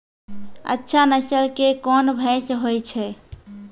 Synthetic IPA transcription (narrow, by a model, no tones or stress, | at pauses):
ə̰tːʃʰanəsəlkekɔnbʱɛsɦojt͡ʃʰɛ